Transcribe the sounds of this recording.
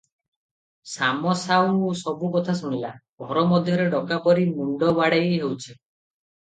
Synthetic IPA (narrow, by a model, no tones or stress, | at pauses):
samɔsaw̃osɔbukɔt̪ʰas̬uɽ̃ilaɡʱɔɾɔmɔd̪ʱjɔɾeɖɔkapɔɾimuɳɖɔbaɽejɦewt͡ʃʰi